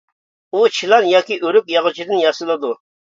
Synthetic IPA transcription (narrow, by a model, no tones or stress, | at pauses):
ut͡ʃʰilˠɑnjɑːkʲiʔøɾypjɑʁət͡ʃʰid̪ɨnjɑsɨlˠɨd̪u